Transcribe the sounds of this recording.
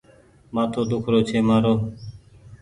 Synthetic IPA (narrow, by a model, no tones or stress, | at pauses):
maːt̪ʰoːd̪ʊkʰɾoːt͡ʃʰeːmaːɾoː